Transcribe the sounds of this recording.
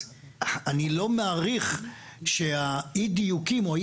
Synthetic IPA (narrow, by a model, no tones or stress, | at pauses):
anilo̞meaʁiχ | ʃeaidijukimoai